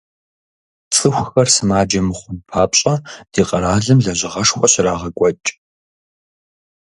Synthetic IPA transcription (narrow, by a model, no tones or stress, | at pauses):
t͡sʼɨxʷxɐrsɨmaːd͡ʒɐmɨχʷʊnpʰaːpɕʼɐd̥iːqʼɐɾaːɮɨmɮɐʑɪʁɐʂxʷʼɔɕraːʁɐkʷʼɔt͡ʃʼ